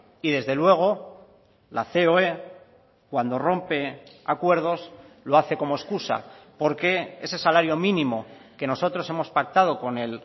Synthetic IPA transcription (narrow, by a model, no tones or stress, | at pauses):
iðe̞zðe̞lwe̞ɣ̞o̞ | laθe̞oe | kwand̪o̞ro̞mpe̞akwe̞ɾðo̞slo̞aθe̞ko̞moeskusa̰po̞ɾke̞e̞se̞salaɾjo̞mĩnĩmo̞ke̞no̞so̞t̪ɾo̞se̞mo̞spak̚t̪að̞o̞ko̞ne̞l